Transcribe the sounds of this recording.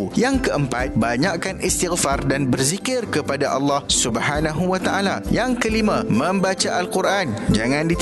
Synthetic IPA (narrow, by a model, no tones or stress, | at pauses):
jaŋkəʔəmpat̪̚baɲaʔkanʔist̪iɣfardanbərzikɪrkəpadaʔalːɑhsubhanãɦuwat̪aʔalajaŋkəlimãmə̃mbat͡ʃaʔalkuɾʔand͡ʒaŋãndit̪